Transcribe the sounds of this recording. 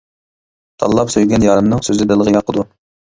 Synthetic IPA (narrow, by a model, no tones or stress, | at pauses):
t̪ʰɑ̰lˠːɑpsøjɡʲɛnjɑɾɨmnɨŋsøzɪd̪ɪlˠəʁəjɑqʰːəd̪u